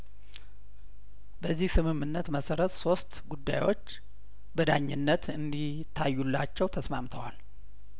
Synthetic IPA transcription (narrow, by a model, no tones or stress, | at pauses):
bəzːihsɨmɨmɨnːət̪məsəɾət̪so̞st̪ɡud̪ːa̰jwo̞t͡ʃː | bəd̪aɲːɪnːət̪ɨnd̪i | t̪ʰːajːulːat͡ʃːɛwt̪ʰəsma̰mt̪ʰəwal